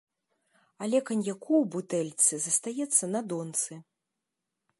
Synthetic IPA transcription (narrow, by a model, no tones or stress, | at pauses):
ɐlʲɛkɐnʲjakʰuwbut̪ɛlʲt̪sɨzɐst̪ajɛt̪sːɐnɐd̪ɔnt̪sɨ